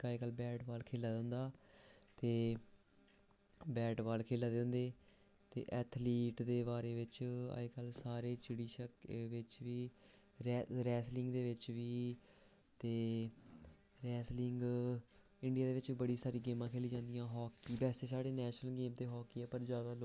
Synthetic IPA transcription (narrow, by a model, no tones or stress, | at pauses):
kaːiːkəlbɛːʈʋaːlkʰeːlaːd̪ə̃ːnd̪aːt̪eː | bɛːʈʋaːlkʰeːlaːd̪ẽːnd̪eː | t̪ḛːʔɛːt̪ʰliːʈd̪eːbaːɾeːʋɪt͡ʃa̰ekəlsaːɾeːt͡ʃɪɽiːʃəkʋɪt͡ʃʋiː | ɾɾɛːslɪŋɡd̪eːʋɪt͡ʃʋiː | t̪eː | ɾɛːslɪŋɡ | ɪɳɖɪiaːd̪eːʋɪt͡ʃiːbəɽiːsaːɾiːɡeːmãːkʰeːliːd͡ʒãːnd̪ijãːɦɔːkiːbɛːst̪eːsaːɽeːnɛːʃnəlɡẽːmd̪eːɦɔːkiːɛːpəɾzjaːd̪aːlo